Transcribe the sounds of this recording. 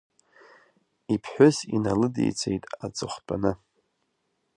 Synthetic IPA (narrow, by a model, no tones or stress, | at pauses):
ipʰħʷᶣʊsinalɨdḛjt͡sʰe̞̰jtʼat͡sʼɨχʷt͡pʼanɨ